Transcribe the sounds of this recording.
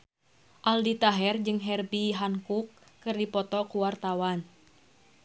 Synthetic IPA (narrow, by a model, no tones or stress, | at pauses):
ʔaldit̪aɦɛrd͡ʒɨŋɦɛrbiɦaŋkukːɨrdipɔt̪ɔkuwart̪awan